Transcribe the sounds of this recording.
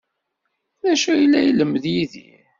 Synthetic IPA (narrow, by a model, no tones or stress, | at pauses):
ðæʃæjəlːæjələmːðjiðḭ